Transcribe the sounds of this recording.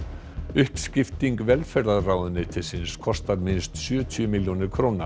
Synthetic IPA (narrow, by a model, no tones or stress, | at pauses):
ʏhkscɪft̪iŋkvɛlfɛɾðaðraːwðʏnːɪt̪ʰɪlsɪnskʰɔst̪aɾmɪnst̪sjœːt̪ʰjʏmɪljonɪɾ̥kʰɾoːwnḁ